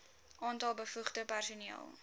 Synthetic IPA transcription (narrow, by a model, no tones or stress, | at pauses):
ʔɑːntɐlˠbəfuχdəpærsuniə̰lˠ